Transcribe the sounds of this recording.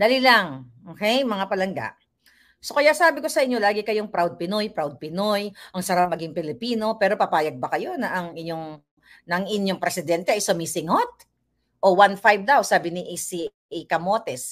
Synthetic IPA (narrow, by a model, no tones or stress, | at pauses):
d̪ɐlilɐŋʔoːkɛjmɐŋapɐlɐŋɡa̰ʔ | so̞kɐjaʔsaːbɪko̞sɐʔɪɲːo̞laːɡɪkɐjoŋpɾawd̪̚pɪno̞jpɾawd̪̚pɪno̞jʔɐŋsɐɾapmɐɡiŋpɪlɪpiːno̞pɛːɾo̞pɐpaːjɐɡ̚bɐkɐjo̞nɐʔɐŋɪɲjo̞ŋ | nɐɐŋɪnjo̞ŋpɾɛsɪd̪ɛnt̪ɛʔɐjsʊmisɪŋot̪̚ | ʔo̞wanfajb̚d̪awsaːbɪnɪʔsi | ɪkɐmot̪ɛs